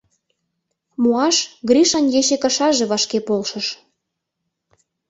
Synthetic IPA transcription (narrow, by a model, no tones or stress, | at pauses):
muɑʃɣɾiʃɑnjeʃekɑʃɑʒeβɑʃkepolʃə̆ʃ